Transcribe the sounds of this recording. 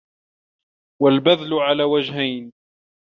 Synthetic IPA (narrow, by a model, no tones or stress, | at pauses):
walbaðlʊʕalaːwad͡ʒɦajn